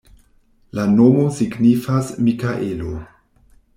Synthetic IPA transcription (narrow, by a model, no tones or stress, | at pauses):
lano̞mo̞siɡnifasmikaʔelo